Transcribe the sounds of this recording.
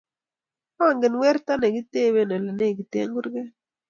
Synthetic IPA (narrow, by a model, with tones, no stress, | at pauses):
a˦˨ŋɡɪ˨nwɛ˦ɾt̪a˦nɛ˨ɡi˦te˦˨we˦˨nɛ˨le˨ne˦˨ɡi˨tḛ˦ŋɡu˦ɾɡɛ˦